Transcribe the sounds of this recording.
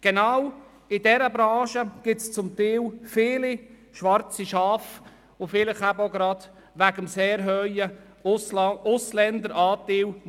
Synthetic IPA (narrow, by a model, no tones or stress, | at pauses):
ɡ̥ɛnɑw | ɪdɛɾəbɾɑ̃ːʃəɡ̥ɪtst͡sʊmt̪iːwfɪːli | ʃʋɑɾt͡siʃɑːf | ʊfɪlɪχæbəoɡɾɑd̪̥ | ʋæɡəmseːɾɦœjə | ʊslɛndəɾɑːt̪ɪːw